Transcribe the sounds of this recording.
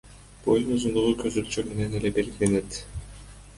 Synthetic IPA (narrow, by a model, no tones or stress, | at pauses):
b̥ojunuzund̪uʁukʰøzylt͡ʃøme̞nenelebe̞lɡile̞ne̞t̪